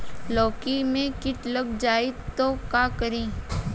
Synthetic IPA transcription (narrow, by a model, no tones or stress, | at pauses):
lɔːkimẽkɪʈləɡ̚d͡ʒaːit̪okaːkəɾĩː